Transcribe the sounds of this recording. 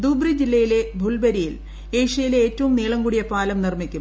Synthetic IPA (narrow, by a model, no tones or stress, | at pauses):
d̪uːbrid͡ʑilːɐjile̞bʱulbɐɾijil | eːʂɐjile̞ːtːɐʋumniːɭɐŋɡuɽijɐpaːlɐmnirmikʲːum